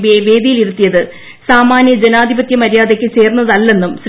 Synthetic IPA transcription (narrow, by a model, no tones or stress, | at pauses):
ʋeʋe̞ːd̪ijiliɾut̪ːijɐðɨ | saːmaːnjɐd͡ʑenaːd̪ʱibɐt̪jɐmɐɾjaːd̪ekʲːɨt͡ɕe̞ːrnːɐðɐlːe̞nːumsɾ